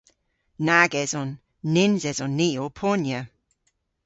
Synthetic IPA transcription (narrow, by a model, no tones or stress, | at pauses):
naɡɛzɔnː | ɪnzɛzɔnːiːopʰɔnjə